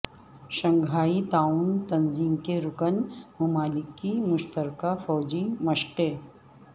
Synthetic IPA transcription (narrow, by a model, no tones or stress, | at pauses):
ʃɐ̃ŋɡʱaːit̪aːunt̪ɐnziːmkeɾʊkənmʊmaːlɪkːimʊʃt̪əɾkafɔːd͡ʒimɐʃqe